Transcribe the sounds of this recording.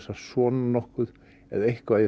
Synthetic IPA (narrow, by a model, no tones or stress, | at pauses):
sasɔːnnɔhkʏð | ɛ̰ðejhkvaðɪ